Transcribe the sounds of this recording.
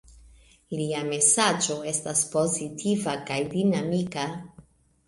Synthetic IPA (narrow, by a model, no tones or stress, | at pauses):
iliame̞sad͡ʒo̞e̞staspo̞zitʰivakajdinamika